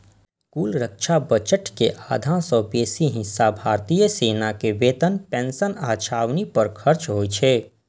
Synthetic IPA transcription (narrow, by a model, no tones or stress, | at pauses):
kuːlɾəkʃabət͡ʃəʈkeʔaːd̪ʱãsɔbeːsiɦɪ̃sːabʱaːɾt̪ijəseːnakeʋeːt̪ənpẽːnsənaːt͡ʃʰaːwnipɐɾkʰɐɾt͡ʃɦoːit͡ʃʰeː